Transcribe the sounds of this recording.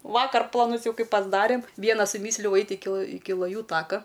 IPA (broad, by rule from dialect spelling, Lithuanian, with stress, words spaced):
ˈʋɑːkɐr plˠɐˈnʊs ˈjɛʊ ˈkɐɪ pɐzˈdɑːrʲeːm ˈʋʲiɛnɐ sʊˈmʲiːsʲlʲɛʊ ˈɐɪtʲ ˈɪkʲɪ ˈɪkʲɪ lˠɐˈjuː ˈtɑːkɐ